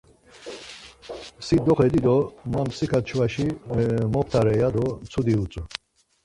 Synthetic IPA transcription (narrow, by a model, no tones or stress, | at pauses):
sid̪ɔχɛd̪id̪ɔmamsikʰat͡ʃʰwaʃimɔpʰt̪ʰaɾɛjad̪ɔmt͡s̪ʰud̪iut͡sʼu